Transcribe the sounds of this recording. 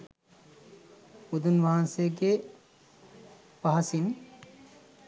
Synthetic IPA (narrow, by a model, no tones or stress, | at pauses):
ud̪unʋʱaansek̬e | paɦasin